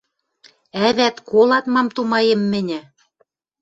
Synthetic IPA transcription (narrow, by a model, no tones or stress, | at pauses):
æβæt̪kolɑt̪mɑmt̪umɑjĕmːɘ̆nʲɘ̆